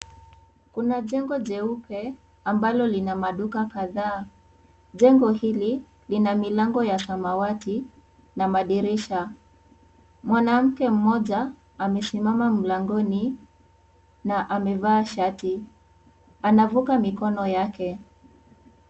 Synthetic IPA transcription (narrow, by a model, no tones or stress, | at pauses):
kunaʄɛŋɡɔʄɛupɛ | ambalɔlinamaɗukakaðaː | ʄɛŋɡɔhili | linamilaŋɡɔjasamawati | namaɗiɾiʃa | mwanam̩kɛm̩mɔʄa | amɛsimamam̩laŋɡɔni | naʔamɛvaːʃati | anavukamikɔnɔjakɛ